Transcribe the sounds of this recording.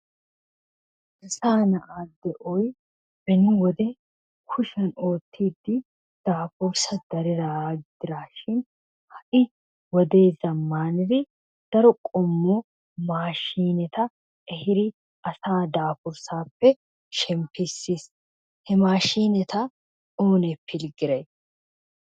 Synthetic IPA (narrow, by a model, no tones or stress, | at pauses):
ʔɐsaːnɐʔaːd̪ɛʔɔj | bɛnʊwɔd̪ɛ | kʰʊʃɐno̞ːt̪ʰːiːd̪ːɪ | d̪̥aːfʊɾsɐd̪̥ɐɾɪɾaɡɪd̪̥ɪɾaːʃɪn | hɐʔɪ | wɔd̪e̞ːzɐmːaːnɪɾɪ | d̪̥ɐɾɔkʼɔmːɔ | maːʃiːnɛt̪ɐ | ɛhɪɾɪ | ɐsaːd̪aːfʊɾsaːpːɛ | ʃɛmpɪsːis | hɛmaːʃiːnɛt̪ɐ | oːnɛpʰːɪlɡɪɾɐj